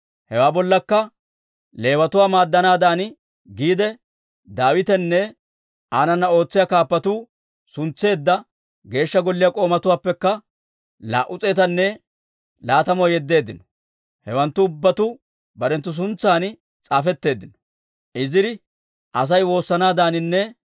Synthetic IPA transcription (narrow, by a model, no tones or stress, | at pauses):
hɛwaːbɔlːɐkːɐ | le̞ːwɐt̪ʊwaːmaːd̪ːɐnaːd̪aːn | ɡiːd̪ɛ | d̪aːwɪt̪ɛnːɛ | aːnɐnːɐo̞ːt͡sːɪjaːkaːpːɐt̪uː | sʊnt͡sːe̞ːd̪ːɐ | ɡe̞ːʃːɐɡɔlːɪjakʼo̞ːmɐt̪ʊwaːpːɛkːɐ | la̰ːʔʊt͡sʼe̞ːt̪ɐnːɛ | laːt̪ɐmɔjɛd̪ːe̞ːd̪ːɪnɔ̥ | hɛwɐnt̪ːʊːʊbːɐt̪ʊ | bɐɾɛnt̪ːʊs̬ʊnt͡sːaːn | t͡sʼaːfɛt̪ːe̞ːd̪ɪnɔ̥ | ʔɪzɪɾɪ | ʔɐs̬ɐjwo̞ːsːɐnaːd̪aːnɪnːɛ